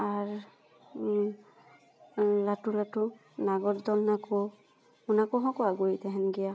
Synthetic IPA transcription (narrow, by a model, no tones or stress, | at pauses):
aɹ | latulatʊ | naɡɔtdɔlnako | ʊnakɔɦɔ̃kɔaɡojtɛɦɛnɡija